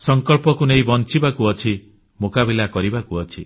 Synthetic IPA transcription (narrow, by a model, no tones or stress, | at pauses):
sɔŋkɔɭpɔkunejbɔnt͡ʃibakuɔt͡ʃʰi | mokabilakɔɾibakuɔt͡ʃʰi